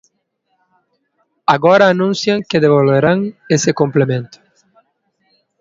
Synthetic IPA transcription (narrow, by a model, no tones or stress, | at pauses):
aɣɔɾaːnũnsjaŋkeðeβolβeɾaŋesɪkomplemẽnt̪ʊ̥